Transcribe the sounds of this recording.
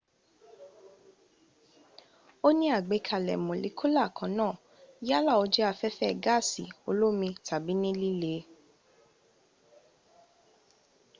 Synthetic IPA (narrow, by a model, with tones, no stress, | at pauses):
o˦nĩ˦a˦˨ɡ͡be˨˧˦kʰa˨lɛ̰˨mõ˨lḭ˨˦kʰu˦la˦˨kʰã˨˦nãː˦˨ | ja˦la˦˨o˧d͡ʒɛ˦a˧fɛ˦fɛ˦˨ɡa˦˨si˨˦o˧lo˦mĩ˧tʰa˨bi˨˦nĩ˦li˦le˨˦